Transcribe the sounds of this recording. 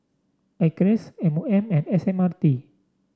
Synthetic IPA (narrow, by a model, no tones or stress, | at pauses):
akɾɛsɛmuɛ̃mɛ̃nɛsɛmart̪i